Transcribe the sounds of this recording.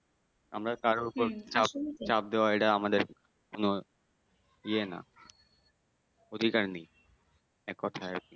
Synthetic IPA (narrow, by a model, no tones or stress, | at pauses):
a̰mɾakaɾoupoɾt͡ɕapt͡ɕap̚d̪eaeʈaamad̪eɾ | kono | iena̰ | od̪ʱikaɾnij | ɛkːɔt̪ʰaeki